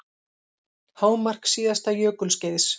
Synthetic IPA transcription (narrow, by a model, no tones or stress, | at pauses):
haːwmar̥ksiːðast̪ajœːkʏlscɛðɪs